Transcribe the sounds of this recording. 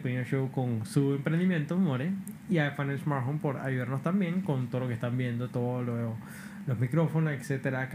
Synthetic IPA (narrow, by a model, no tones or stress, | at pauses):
penoʃowkonsuempɾend̪imjẽnt̪omoɾeiajfanelsmaɾfonpoɾa̰juðaɾnost̪ambjeŋkont̪oðookest̪ambjend̪ot̪oðolo | lozmikɾofonosekset̪eɾak